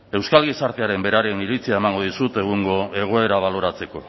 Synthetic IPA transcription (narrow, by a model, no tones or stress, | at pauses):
e̞wskalɣisaɾt̪eaɾe̞mbe̞ɾaɾe̞niɾit͡siae̞maŋɡo̞ðisut̪e̞ɣ̞uŋɡo̞e̞ɣ̞o̞e̞ɾaβ̞alo̞ɾat͡se̞ko̞̰